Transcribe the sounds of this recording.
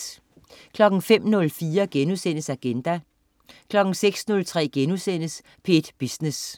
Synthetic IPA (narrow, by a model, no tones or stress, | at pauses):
kʰlɒ̽ɡ̥ŋ̩fem̰nɔ̽lfiːɐɡ̥enusen̰əsæɡ̥end̥æ | kʰlɒ̽ɡ̥ŋ̩seɡ̥snɔ̽lt͡sʰʁɛ̰ːɡ̥enusen̰əs | pʰe̝d̥b̥isnes